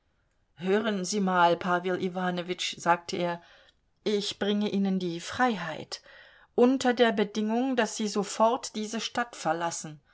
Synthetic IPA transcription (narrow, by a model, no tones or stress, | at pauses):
høːʁənziːmaːlpʰaːvɪlʔivaːnovɪt͡ʃz̥aːk̚tʰəʔeːɐ | ʔɪçb̥ʁɪŋəʔiːnəndiːfʁ̥aɪɦaɪt | ʔʊntɐdeːɐbədɪŋʊŋdasz̥iːzofɔɐtd̥iːzəʃtatfɛɐlasn̩